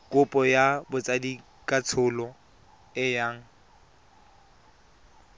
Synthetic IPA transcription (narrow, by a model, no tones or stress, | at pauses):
kʼʊpʼɔjabʊt͡sʼadi | kʼat͡sʰʊlɔ | ɪjaːŋ̩